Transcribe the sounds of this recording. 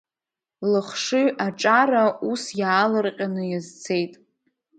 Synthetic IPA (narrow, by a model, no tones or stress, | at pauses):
lɨχʂɨɥʔaʈ͡ʂʼarausjaːlɨrqʲʼanɨjazt͡sʰe̞jtʼ